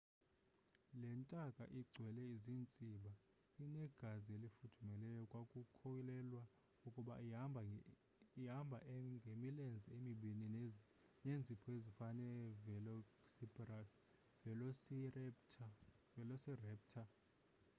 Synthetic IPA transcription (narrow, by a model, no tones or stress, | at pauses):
lɛntʼakʼa̰ʔiɡ͡ǀʱwɛlɛizint͡sʼiɓa | inɛɡ̥ʱazielifutʰumɛlɛjɔkʼwakʼukʰɔilɛlwa | ukʼuɓa̰ | iambʱaʔŋɡʱemilɛnd͡zʱɛemiɓini | nend͡zʱipʰɔezifanɛlɔ | sipa | vɛlɔ | vɛlɔsirɛːp̚tʰa